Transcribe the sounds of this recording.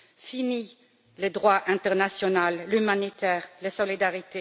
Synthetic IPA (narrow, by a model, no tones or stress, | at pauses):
fini | ləd̪ʁwaʔɛ̃t̪ɛʁnasjɔnalːymanit̪ɛːʁləsɔlid̪aʁit̪e